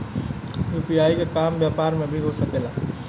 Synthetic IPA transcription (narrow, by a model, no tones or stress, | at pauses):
juːpiaːikekaːmbjaːpaːɾmẽbʱiɦosɐkeːlaː